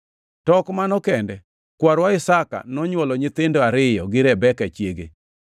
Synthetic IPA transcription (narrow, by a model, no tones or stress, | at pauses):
tɔkmanɔkɛndɛ | kwaɾwaɪsaka̰nɔɲwɔlɔɲɪt̪ɪndoaɾɪjɔ̰ɡɪɾɛbɛkat͡ʃjeɡḛ